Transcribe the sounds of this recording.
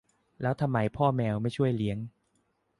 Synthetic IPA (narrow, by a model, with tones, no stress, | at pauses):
lɛː˦˥wt̪ʰa˧mːa˧˥jpʰɔː˥˩mɛː˧wma˥˩jt͡ɕʰu˥˩əjli˦˥əŋ